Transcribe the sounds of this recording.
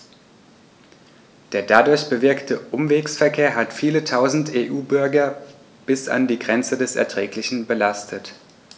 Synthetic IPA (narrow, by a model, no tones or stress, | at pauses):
d̥eːɐdadʊɐçb̥əvɪɐktʰəʔʊmveːksfɛɐkʰeːɐɦatfiːlətʰaʊzn̩teːʔuːbʏɐɡɐ | b̥ɪsa̰ndiːɡʁɛnt͡sədɛsɛ̰ɐtʁ̥ɛːklɪçn̩bəlastʰət